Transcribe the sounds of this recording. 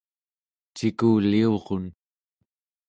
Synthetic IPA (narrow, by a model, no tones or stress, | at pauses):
t͡ʃikuːlio̞ʁon